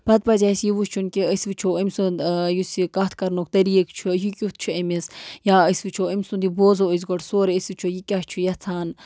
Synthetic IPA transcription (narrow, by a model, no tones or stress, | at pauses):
b̥ɐt̪̚pɐzʲaːsjiʋust͡ʃʰunkiəsʋit͡ʃʰoəmʲsunjusikɐt̪ʰkɐɾnokʰt̪ɐɾijekt͡ʃʰujikʲut̪̚ʰt͡ʃʰuɐmisjaəsʋit͡ʃʰoəmʲsund̪iboːzoəzɡoʈsoːɾeəsʋit͡ʃʰojikʲɐht͡ʃʰujɐt͡sʰaːn